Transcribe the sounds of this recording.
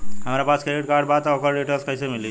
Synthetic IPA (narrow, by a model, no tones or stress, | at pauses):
həmɾapat͡ʃkeɾiʈkaɾɖbat̪okəɾɖiʈelskəjsemili